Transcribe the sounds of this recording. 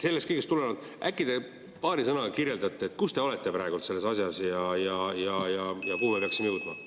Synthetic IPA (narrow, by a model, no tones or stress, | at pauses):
se̞lːest̪kɤjɡe̞st̪ulenɑd̪̥ | ʔækˑːid̪e̞ | pɑːɾisɤnɑkirje̞ld̪ɑt̪ːˑeet̪̚ːˑkust̪e̞o̞le̞t̪ːe̞pɾɑeɡult̪se̞lːe̞sɑsjɑsjɑjɑjɑjɑjɑkuːmepeɑksimejuwt̪mɑ̰